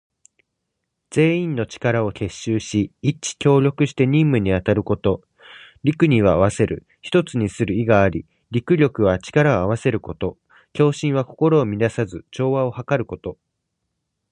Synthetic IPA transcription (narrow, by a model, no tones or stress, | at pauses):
d͡z̥e̞ːĩnnːo̞t͡ɕi̥kaɾao̞he̞ɕːɨːɕiit͡ɕi̥kʲo̞ːɾʲo̞kɯ̟ɕi̥t̪e̞ɲĩmːɯ̟ɲ̟iat̪aɾɯ̟ko̞t̪o̞ | ɾʲikɯ̟ɲ̟iβaβ̞ase̞ɾɯ̟̰ | çi̥t̪o̞t͡sɨɲ̟isɨɾɯ̟iɡaːɾʲi | ɾʲikɯ̟ɾʲo̞kɯ̟βat͡ɕi̥kaɾao̞aβ̞ase̞ɾɯ̟ko̞t̪o̞ | kʲo̞ːɕĩɰ̃βako̞ko̞ɾo̞ːmʲid̪asazɨt͡ɕo̞ːβao̞hakaɾɯ̟ko̞t̪o̞